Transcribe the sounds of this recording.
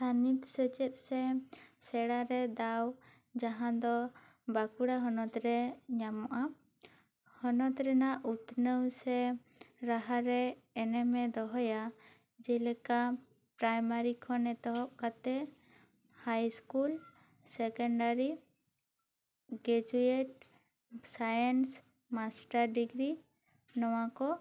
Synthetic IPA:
tʰanit̪sət͡ʃɛt̪̚ˀsɛsɛɽaɾɛd̪aw | d͡ʒaɦãd̪ɔ | bakuɽaɦɔnɔt̪ɾɛɲamɔʔa | hɔnɔt̪ɾɛnaʔut̪nəwsɛ | ɾaɦaɾɛːnɛmɛd̪ɔɦɔja | d͡ʒɛlɛka | pɾajmaɾikʰɔnɛt̪ɔɦɔʔkat̪ɛ | hajskul | sɛkɔɳɖaɾi | ɡɾɛd͡ʒueʈ̚ | sajens | masʈaɾɖiɡɾi | nɔwakɔ

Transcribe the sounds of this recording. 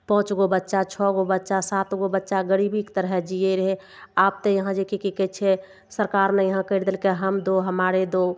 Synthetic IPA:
pɔ̃ɦʊ̃t͡ʃɡobətːʃat͡ʃʰɔɡobətːʃasat̪ɡobətːʃaɡəɾibikt̪əɾɦɛd͡ʒieɾəɦe | aːp̚t̪ejəɦãd͡ʒekikikɛt͡ʃʰe | səɾkaːɾnejəɦãkəɪɾd̪elkeɦəmd̪oɦəmaɾed̪o

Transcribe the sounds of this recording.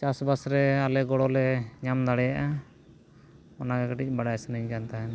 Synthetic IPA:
t͡ʃasbasɾɛalɛɡɔɽɔlɛɲamd̪aɽɛjaʔa | ɔnaɡɛkaʈic̚ˀbaɽajsnɛɲkant̪aɦɛn

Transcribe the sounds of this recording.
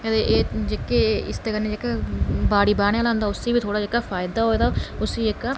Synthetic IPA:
ət̪eʔeːd͡ʒekeːɪst̪eːkənːeːd͡ʒeːkabaːɽiːbaːɽ̃jaːlãːnd̪aːʊsiːbiːt̪ʰoːɽaːd͡ʒekaːfʰaːɪd̪aːɦoːeːd̪aːʊsiːekaː

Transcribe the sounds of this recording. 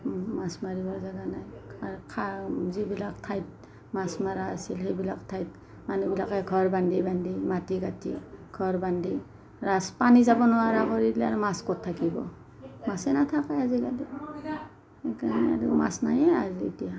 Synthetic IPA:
masmaɹibɔzaɡanajaɾkʰazibilak̚tʰajt̚ | masmaɾaːsilɦejbilaktʰajt̚ | manubilakajɡʰʱɔɹbandibandimatiɡatʰḭɡ̥ʰʱɔɹbandi | ɾaspanizabɔnɔwaɾaɡɔɾidlaɾumaskɔtʰːakibɔ̰ | masɛnatʰakajaziɡali | kana̰ɾuma̰snajɛazḭtija

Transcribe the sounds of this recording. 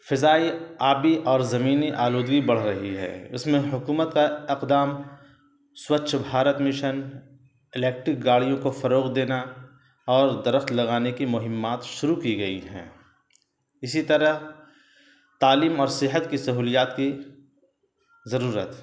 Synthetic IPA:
fɪzaːiaːbiʔɔːɾzɐmiːniʔaːluːd̪ɡibɐɽ̤ɾɐɦiɦɛ̰ːɪsmẽɦʊkuːmət̪kaɪqd̪aːm | swəːt͡ʃʰbʱaːɾət̪mɪʃən | ɪlɛːk̚ʈɾɪk̚ɡaːɽijõkofɐɾoːɣd̪eːna | ɔːɾd̪ɐɾəxt̪lɐɣaːnekimʊɦɪmːaːt̪ʃʊɾukiɡɐiɦɛ̰̃ː | ɪsit̪ɐɾəɦ | t̪aːliːmɔːɾsɪɦət̪kisɐɦuːlijaːt̪ki | zɐɾuːɾət̪

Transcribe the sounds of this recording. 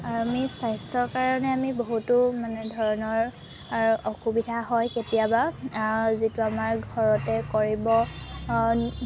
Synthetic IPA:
aamisajstʰɔɹkaɹɔnɛamiboɦutumanɛdʱɔɹɔnɔɹ | ɔxubidʱaɦɔjketijaba | zituamaɹɡʱɔɹɔtɛkoɹibɔ

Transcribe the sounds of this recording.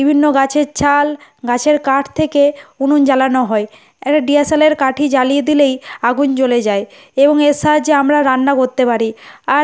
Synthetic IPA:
bibʱinːoɡat͡ɕʰeɾt͡ɕʰalɡat͡ɕʰeɾkaʈʰt̪ʰekeunund͡ʑalanoɦɔe | ɛk̚ʈaɖiesaleɾkaʈʰid͡ʑalijed̪ilejaɡunt͡ɕoled͡ʑae | eboŋesad͡ʑeamɾaɾanːakoɾt̪epaɾia

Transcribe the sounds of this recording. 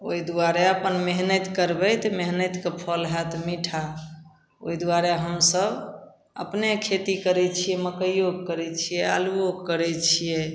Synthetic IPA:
oid̪uaɾeəpənmeɦnət̪kəɾbɛt̪meɦnət̪kepʰɔlɦɛt̪ʰmiʈʰa | o̰id̪waɾeɦəmsəb | ə̰pnekʰet̪ikəɾɛt͡ʃʰiɛməkəjoɡ̚kəɾɛt͡ʃʰijɛa̰luokkːəɾɛt͡ʃʰijɛ

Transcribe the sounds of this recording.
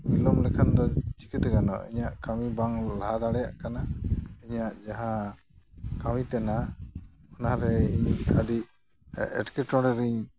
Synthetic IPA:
milɔmlɛkʰand̪ɔt͡ʃi̥kɛt̪ɛɡanɔ̰ḭɲaʔkawibaŋlaad̪aɽɛjaʔkanaiɲaʔd͡ʒaɦã | kawit̪ɛna | ɔnaɾɛiɲaɖic̚ | ɛ̰ʈkɛʈɔ̃ɽɛɾiɲ

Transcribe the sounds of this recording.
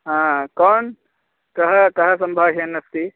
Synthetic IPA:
ɦãkɔːn | kɐɦəkɐɦəsɐ̃mbʱaɦenɐst̪i

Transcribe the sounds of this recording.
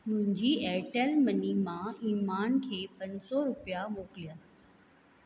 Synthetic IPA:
mʊ̃ɦɪ̃ɲd͡ʑiɛːʈəlmɐnimãiːmaːnkʰeːpɐ̃ɲd͡ʑsɔɾʊpijamoːkɪlijaː

